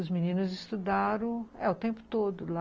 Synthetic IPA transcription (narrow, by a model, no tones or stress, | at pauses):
ʊzminĩnʊzɪst̪ud̪aɾɐ̃w̃ɛʊt̪ẽmpʊ̥t̪od̪ʊla